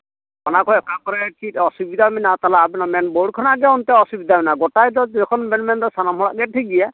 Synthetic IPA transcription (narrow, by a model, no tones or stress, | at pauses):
ɔnakʰɔjɛkʰakɔɾɛkitɔsubid̪ʱaminat̪alaːbɛnɔmɛnboɽkʰɔnaɡɛɔnt̪ɛɔsubid̪ʱaminaɡɔtajdɔɛkʰɔnmɛnmɛndɔsanamhɔɹa̰ʔɡɛtʰiɡija